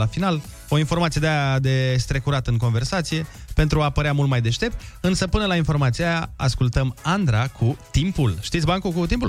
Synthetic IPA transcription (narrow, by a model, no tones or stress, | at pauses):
afinal | o̞info̞rmat̪sied̪eajad̪e̞st̪ɾe̞kuɾat̪əɨŋko̞nve̞rsat̪sije̞pe̞nt̪ɾuapəɾeamult̪majd̪e̞ʃt̪e̞p̚t̪ɨnsəpɨnəlainfo̞rmat̪siajaaskult̪əmand̪ɾakʰut̪impulʃt̪it̪sʲbaŋkukut̪impu